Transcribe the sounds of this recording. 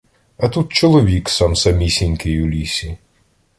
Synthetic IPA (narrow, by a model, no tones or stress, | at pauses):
ɐt̪ut̪̚t͡ʃɔlˠɔʋʲiksɑmsɐmʲisʲinʲkɪjʊlʲisʲi